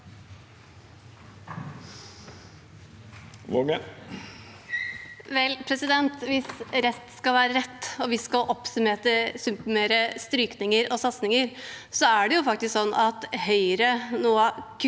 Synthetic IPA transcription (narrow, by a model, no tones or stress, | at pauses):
ʋoɡə | ʋɛlpʰɾɛsɪd̪ɛnt̪ʋɪsɾɛst̪skɑʋæːɾəɾɛt̪ːɔʋɪskɑlʔɔpsʉmeːt̪əsʉmpmeːɾəst̪ɾyːknɪŋəɾɔsɑt̪snɪŋəɾsɔæɖɛjʊfɑkt̪ɪsksɔnːɑt̪hœʏɾənuːɑkʰ